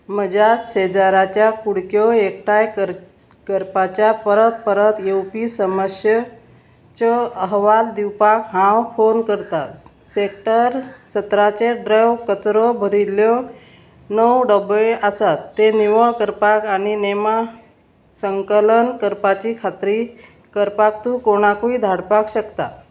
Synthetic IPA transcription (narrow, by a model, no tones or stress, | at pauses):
məd͡ʑaɕed͡ʑaɾat͡ɕjakuɽkjɔek̚ʈaj | kəɾpat͡ɕjapəɾət̪̚pəɾət̪jewpisəməsjə | t͡ɕɔəɦʋald̪iwpakɦãwfonkəɾt̪at̪sek̚ʈəɾsət̪ɾat͡ɕeɖɾəwkət͡sɾɔbʱəɾiljɔ | nəwɖəbeʔasat̪ːeniʋəɭkəɾpakaɽ̃inema | səŋkələnkəɾpat͡ɕiːkʰat̪ɾi | kəɾpakt̪ũkoɽ̃akuid̪ʱaɽpakɕəkt̪a̰